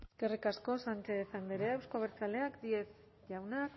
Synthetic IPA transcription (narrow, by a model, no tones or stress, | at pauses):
eske̞rikasko̞sant͡ʃeːsand̪eɾeawskoβ̞eɾt͡sale̞akd̪ie̞s | ʝawnak